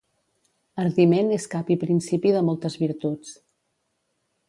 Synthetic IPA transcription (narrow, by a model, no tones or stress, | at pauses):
əɾðimeneskapipɾinsipiðəmɔlˠt̪əzβiɾt̪ut͡s